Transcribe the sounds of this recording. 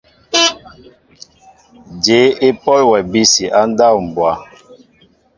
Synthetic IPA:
d͡ʒe˨˦e˦pɔ˦lwɛ˨bi˦si˨ʔa˦n˦da˦˨wm̩˨bwa˨˦

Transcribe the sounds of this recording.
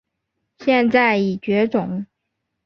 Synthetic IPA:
ɕjɛ˥˧nt͡sa˥˩ɪi˨˩t͡ɕɥɛ˧˥ʈ͡ʂʊ˨˩˦ŋ

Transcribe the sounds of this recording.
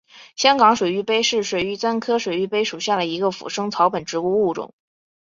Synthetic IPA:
ɕjɑ˥ŋkɑ˧˥ŋʂwe˨˩ɪy˧˥pe˥ɪʂɻ̩˥˩ʂwe˨˩ɪy˧˥t͡sa˥nkʰɤ˥ʂwe˨˩ɪy˥˩pe˥ɪʂu˨˩ɕja˥˩lə˩i˧˥ɡə˧fṵ˨˩ʂɤ˥ŋt͡sʰɑ˧˥ʊpə˨˩nʈ͡ʂɻ̩˧˥u˥u˥˩ʈ͡ʂʊ̰˨˩˦ŋ

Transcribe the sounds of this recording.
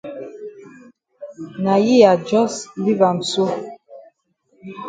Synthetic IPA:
na˨ji˦ja˨d͡ʒɔ˦sli˦va˨n̩˨so˦

